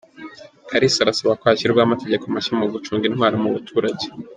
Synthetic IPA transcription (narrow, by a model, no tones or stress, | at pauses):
kʰaɾisaɾasaβakohaɕiɾɡwaːmate̞ɟe̞komaʃamuɡut͡ʃuːŋɡinwaːɾimuβutʰuːɾaɟe